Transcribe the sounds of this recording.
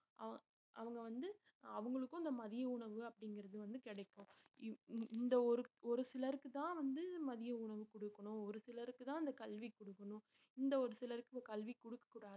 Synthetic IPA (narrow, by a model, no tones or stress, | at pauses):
ʔɐʋɐ | ʔɐʋɐŋɡɐʋɐnd̪ɯ | ɐʋɐŋɡɐɭɯkːʊ̃ɪnd̪ɐmɐðɪjɐʊɳɐʋɯɐpːɐɽɪŋɡɪɾɐðɯʋɐnd̪ɯkɪɽɐɪkːʊ̃ | ɪnd̪ɐɔɾɯɔɾɯsɪlɐɾɯkːɯt̪ãːʋɐnd̪ɯmɐðɪjɐʊɳɐʋɯkɔɽɯkːɐɳʊ̃ɔɾɯsɪlɐɾɯkːɯt̪ãːɪnd̪ɐkɐlʋikɔɽɯkːɐɳʊ̃ | ɪnd̪ɐɔɾɯsɪlɐɾɯkːɯɐkɐlʋikɔɽɯkːɐ̥kːuːɽaːðɯ